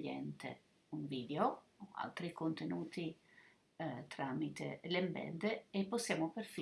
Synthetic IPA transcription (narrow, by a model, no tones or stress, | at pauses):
jɛ̰nt̪ḛ | uɱviːd̪eooa̰lt̪ɾikont̪enuːt̪i | t̪ɾamit̪ḛlembɛ̰nd̪eːpːosːjaːmopeɾfi